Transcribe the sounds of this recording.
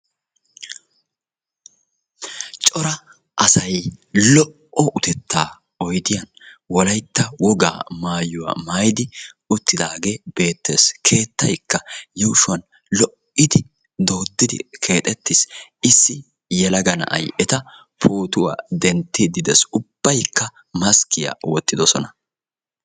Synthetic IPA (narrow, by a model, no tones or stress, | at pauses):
t͡ʃʼɔɾɐ | ʔɐsɐjlɔʔɔʔʊt̪ɛt̪ʰːaː | ɔjd̪ɪjɐnwɔlɐjt̪ːɐwɔɡa̰ːmaːjʊwa̰ːmaːjd̪ɪ | ʊt̪ːɪd̪aːɡe̞ːb̥e̞ːt̪ːḛːskʰe̞ːt̪ːɐjkːɐjɛwʃʊwɐn | lɔʔɪd̪ɪ | d̪o̞ːd̪ːɪd̪ɪ̰kʰe̞ːt̪ʼɛt̪ːɪsɪsːɪ | jɛlɐɡɐnɐ̰ʔɐ̰jʔɛt̪ɐ | pʰoːt̪ʊwa̰ːd̪ɛnt̪ːɪd̪ɪd̪ɛsʊb̥ːɐjkːɐ | mɐskɪjɐ̰wɔt̪ːɪd̪ɔsɔnɐ